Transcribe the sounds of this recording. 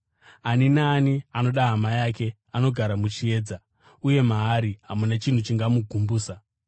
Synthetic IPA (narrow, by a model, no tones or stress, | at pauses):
aninaːniano̞ɗaɦamajake̞ | ano̞ɡʱaɾamut͡ʃie̞ːd͡za | uje̞maɦːɾiɦamunat͡ʃin̤ut͡ʃiŋɡamuɡʱumbuːsa